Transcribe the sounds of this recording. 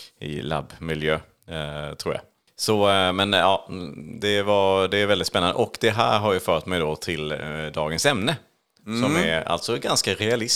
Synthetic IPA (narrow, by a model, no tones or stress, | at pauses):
ɪ̰la̰bːmɪljøː | t̪ʰɾuːɾja̰ | sɔmɛnɑːd̪ɛvɑd̪ɛːɾvɛld̪ɪt̪spɛnːand̪ə̰ʔɔkd̪ɛɦæ̰ːɾɦaɾjɑfœːʈmɛjd̪ɔt̪ʰɪld̪ɑːɡənsɛmnə | sɔmæɾa̰lt̪sɔɡanskaɾɛalɪs